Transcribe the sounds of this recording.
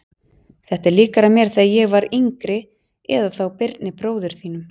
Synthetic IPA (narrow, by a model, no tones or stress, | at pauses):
θɛht̪ɛɾliːkaɾamjɛɾ̥θajɛɣvaɾiŋkɾɪ | ɛ̰ðaθawpɪɾt̪nɪpɾoːwðʏɾ̥θiːnʏm